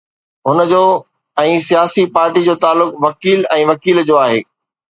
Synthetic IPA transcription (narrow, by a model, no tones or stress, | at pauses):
ɦʊnəd͡ʑoː | ɛ̃ːsijaːsipaːɾʈid͡ʑoːt̪aːlːʊkʋɐkiːlɛ̃ːʋɐkiːld͡ʑoːaːɦḛː